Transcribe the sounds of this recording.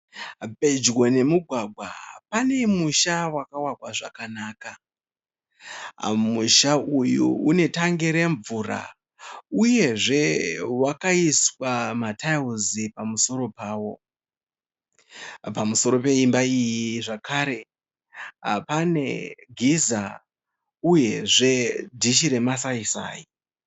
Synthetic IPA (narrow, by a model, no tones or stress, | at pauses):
bʱe̞d͡ʒwone̞muɡʱwaɡʱwa̰pane̞muʃawakawakwaʐa̰kanaːka | muʃaujṵune̞taŋɡiɾe̞ɱvuɾa̰ | uje̞ʐe̞wakaiswamatʰauzipamuso̞ɾo̞paːwo̞ | pamuso̞ɾo̞pe̞imbaijiʐakʰaɾe̞ | pane̞̰ɡʱiza | uje̞ʐe̞dʱiʃiɾe̞masaisa̰ːji